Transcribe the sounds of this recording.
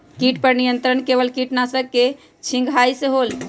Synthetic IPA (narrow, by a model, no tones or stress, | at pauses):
kiʈpəɾnijənt̪ɾənkebəlkiʈnasəb̚ke | t͡ʃʰĩŋɡʱajsẽɦol